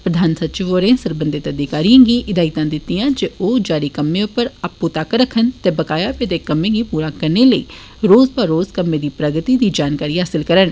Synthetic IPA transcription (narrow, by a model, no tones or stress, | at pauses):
pɾəd̪ʱaːnsətːt͡ʃɪʋoːɾẽːsəɾbənd̪et̪əd̪ɪkaːɾijãːɡiːʔɪd̪aːɪt̪ãːd̪ɪt̪ːijãːd͡ʒeʔoːd͡ʒaːɾiːkəmːẽʊpːəɾaːpːut̪aːkɾəkʰːənt̪ɛːbəkaːjaːpet̪ekəmːẽːɡiːpuːɾaːkəɾneləḭː | ɾoːzpaɾoːzkəmːẽːd̪iːpɾəɡət̪iːd̪iːd͡ʒaːnkaːɾiːɦaːsɪlkəɾən